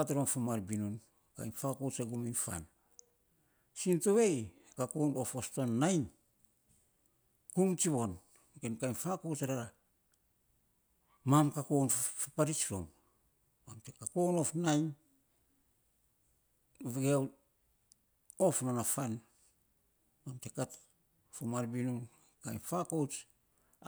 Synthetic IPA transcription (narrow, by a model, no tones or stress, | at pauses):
atɾomfamaɾbinun | ka̰jnfakot͡ʃaɡuminfa̰n | sintoβe̞j | kakonofostonːajn | kumt͡ʃiβo̞n | ɡenkajnfakot͡ʃaɾaɾa | mamkakonfapaɾit͡ʃɾo̰m | mamtekakono̞fnajn | βeɡeaw | o̞fnanafan | mamtekat | fomaɾbinun | kajnfakowt͡ʃ